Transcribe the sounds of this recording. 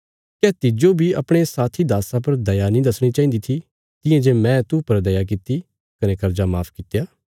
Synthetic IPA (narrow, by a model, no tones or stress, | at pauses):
kɛːt̪id͡ʒoːbʱiɐ̰pɽ̃esaːt̪ʰid̪aːsãp̬ɐɾd̪ɐjanĩd̪ɐsɽ̃it͡ʃaːĩːnd̪it̪ʰi | t̪ɪ̃jãd͡ʒeːmɛ̃ːt̪upɐɾd̪ɐjak̬ɪt̪i | kɐnẽkɐɾd͡ʒamaːpʰkɪt̪jaː